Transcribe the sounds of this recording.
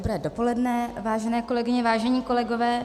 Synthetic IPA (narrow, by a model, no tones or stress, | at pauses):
obɾɛːdopo̞lɛdnɛvaːʒɛnɛːko̞lɛɡɪɲɛvaːʒɛɲiːko̞lɛɡo̞vɛː